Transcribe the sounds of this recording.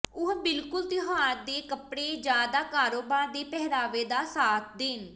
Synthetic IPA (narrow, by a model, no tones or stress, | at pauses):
ʊɦbɪlkʊlt̪ɪɦaːɾd̪eːkəpɽeːd͡ʒjaːd̪aːkaːɾoːbãːɾd̪eːpɛɦɾaːʋeːd̪aːsaːt̪̚ʰd̪ɪn